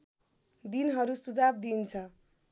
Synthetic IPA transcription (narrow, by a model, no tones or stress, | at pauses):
d̪inɦʌɾusud͡zab̚d̪int͡sʰʌ